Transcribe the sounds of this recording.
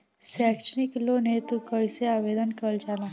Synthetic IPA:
sakʂniklonet̪ukəjseaʋed̪ənkəld͡ʒalã

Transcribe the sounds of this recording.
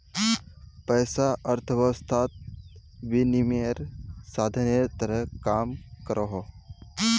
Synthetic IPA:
pəjsaʔəɾt̪ʰəʋəst̪ʰaːt̪̚ʋinimeɾsaːd̪ʱənet̪əɾəɦkaːmkəɾʔoɦo

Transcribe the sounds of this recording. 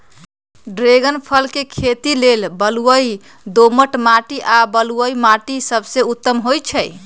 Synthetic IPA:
ɖɾeɡənpʰəlkekʰet̪ilelbəluəi | d̪oməʈmaʈiʔabəluəimaʈisəbseut̪ːəmɦojt͡ʃʰəj

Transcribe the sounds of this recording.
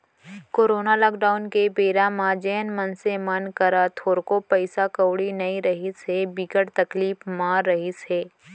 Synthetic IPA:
koːɾoːnalɔːkɖaːʊnkebeːɾamãd͡ʒɛːnmɐnsemɐnkɐɾat̪ʰoːɾkopɐɪsakəwɽinɐĩɾɐɦisebikəɽt̪ɐkliːfmaːɾːɐɦiseː

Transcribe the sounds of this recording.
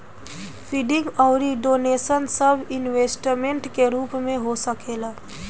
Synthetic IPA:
pʰiːɖɪ̃ŋɡɔːɾiɖoːneːsənsəbʱɪnʋeːsʈɾmẽɳʈkeɾuːpmẽɦosəkeːla

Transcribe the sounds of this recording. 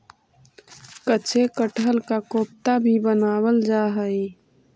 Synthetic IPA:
kət͡ʃʰekəʈʰəlkakoːp̚t̪abʱibənaːwəld͡ʒaːɦəi

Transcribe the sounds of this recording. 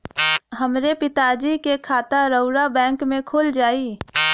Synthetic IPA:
ɦɐmɾepɪt̪aːd͡ʒikekʰaːt̪aɾəʊɾabɛ̃ːŋkmẽkʰʊld͡ʒaːiː

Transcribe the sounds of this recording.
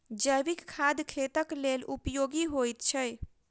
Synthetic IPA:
d͡ʒəjʋikkʰːad̪kʰet̪əklelupjoɡiɦojt̪t͡ʃʰəj

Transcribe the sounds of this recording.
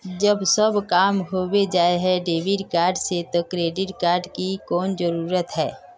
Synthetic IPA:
d͡ʒəbsəbkaːmɦoːwed͡ʒaːeɦɛɖeːʋɪɖkaːɾɖset̪okɾeːɖɪʈkaːɾɖkikɔːnd͡ʒəɾuːɾət̪ɦɛː

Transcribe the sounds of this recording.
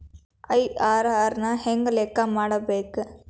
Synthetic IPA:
ɐjaːɾaːɾnɐheŋɡɐleːkːamaːɽɐbeːku

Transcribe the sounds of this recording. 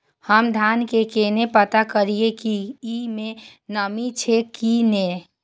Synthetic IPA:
həmd̪ʱaːnkekenepət̪akəɾiekiimẽnəmit͡ʃʰekine

